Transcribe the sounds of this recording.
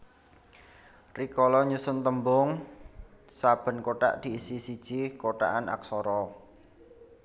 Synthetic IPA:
rikɔlɔɲusʊnt̪əmbʊŋ | sab̥ə̤nkoʈa̰ʔd̪̥i̤isisid̥ʒ̥ikoʈa̰ʔana̰ksɔɾɔ

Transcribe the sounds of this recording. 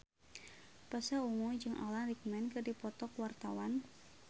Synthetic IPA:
pasauŋud͡ʒɨŋʔa̰lanrik̚mɛnkɨrdipɔt̪ɔkwart̪awan

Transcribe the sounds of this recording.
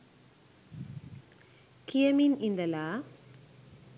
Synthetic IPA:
kijɐminɪnd̪ɐlaː

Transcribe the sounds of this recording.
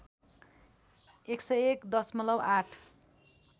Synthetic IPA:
eksʌjekd̪ʌsmʌlʌwʔaʈʰ

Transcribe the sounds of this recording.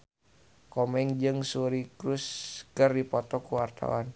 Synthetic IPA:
kɔmɛŋd͡ʒɨŋsuɾikɾuskɨrdipɔt̪ɔkuwart̪a̰wan

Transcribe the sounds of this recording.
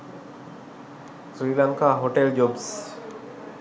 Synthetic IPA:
sɾilaŋkaɦoʈeld͡ʑobs

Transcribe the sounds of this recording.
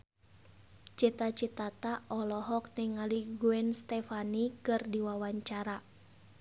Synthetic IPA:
t͡ʃit̪at͡ʃit̪at̪aʔɔlɔɦɔk̚nɛŋaliɡuɛnst̪ɛfanikɨrdiwawaɲt͡ʃaɾa

